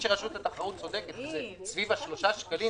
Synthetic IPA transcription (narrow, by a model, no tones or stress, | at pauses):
ʃeʁaʃut̪at̪aχaʁut̪̚t͡so̞d̪eket̪zesvivaʃlo̞ʃaʃkali